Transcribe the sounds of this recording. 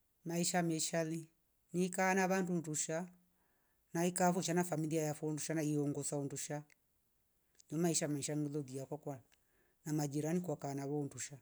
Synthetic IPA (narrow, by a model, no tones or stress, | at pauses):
maiʃamɛʃali | nikanaβandunduʃa | naikafɔʃanafamiliajafɔnduʃanaiɔŋɡɔsaunduʃa | nɔmaiʃamaiʃanilɔðiakwakwala | namad͡ʒiɾanikwakanaβɔunduʃa